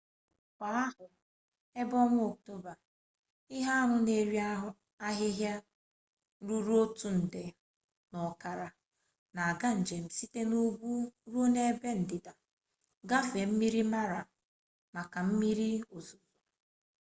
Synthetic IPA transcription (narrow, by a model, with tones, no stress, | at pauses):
kʷa˨˦a˦ɦʊ˨ | e˦bɔ˦ŋʷʊ˦o˨k̚to˦ba˨ | ɪ˦ɦa˦a˦ɦʊ˦ne˨ɾi˦ | a˦ɦɪ˦ɦja˦ | ɾu˦ɾu˦o˦tu˦n̩˨de˨ | nɔ˨ka˨ɾa˨ | na˨a˨ɡa˦n̩˨d͡ʒe˨m̩˨si˦te˦nu˦bu˦ɾo˦ne˦be˦n̩˨dɪ˨da˨ | ɡa˦fe˨m̩˦mi˦ɾi˦ma˦ɾa˨ | ma˨ka˨m̩˦mi˦ɾi˦o˨zu˨bu˨